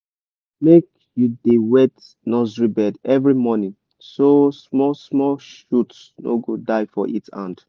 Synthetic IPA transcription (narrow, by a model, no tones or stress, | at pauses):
mek | judewet | nɔzɹibɛdɛvɹimɔnĩn | sosmɔsmɔʃuts | no̰ɡodaɪfɔʔitã̰nd